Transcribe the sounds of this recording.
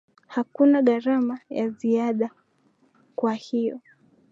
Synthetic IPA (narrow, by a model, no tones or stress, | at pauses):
hakunaɠaɾamajaziaɗa | kwahijɔ